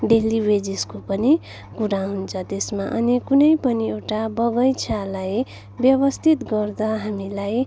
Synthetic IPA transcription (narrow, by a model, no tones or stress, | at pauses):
ɖelibed͡ziskopʌni | kuɾaɦunt͡sʰʌt̪esmaʔʌnikunʌjpʌniewʈabʌɡʌjt͡sʰalaj | bjʌβʌst̪ʰit̪ɡʌrd̪aɦamilaj